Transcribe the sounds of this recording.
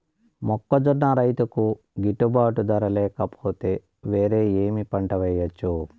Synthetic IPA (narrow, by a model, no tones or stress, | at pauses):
mɔkːɐd͡ʒunːɐɾɐjt̪uku | ɡiʈːubaːʈud̪ɐɾɐlɛːkɐpʰoːt̪e̞ː | ʋeːɾe̞ːeːmipɐɳʈɐʋɛjːɐt͡ʃːu